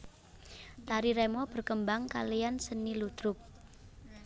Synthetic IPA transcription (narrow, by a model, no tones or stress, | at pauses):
t̪aɾiɾɛmɔb̥ə̤rkəmbaŋka̰lijansənilud̪̥ɾʊk̚